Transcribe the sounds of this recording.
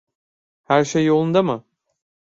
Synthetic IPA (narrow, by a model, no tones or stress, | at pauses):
hæɾʃejolˠund̪amɯ